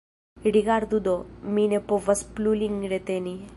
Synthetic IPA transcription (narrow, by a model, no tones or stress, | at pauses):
ɾiɡaɾd̪ud̪ominepoʋɐspluliŋɡɾet̪eni